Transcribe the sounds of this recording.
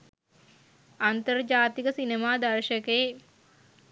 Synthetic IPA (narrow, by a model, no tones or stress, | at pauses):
ant̪ərd͡ʒaːt̪ikəsinemaːd̪ɐrʃəkeː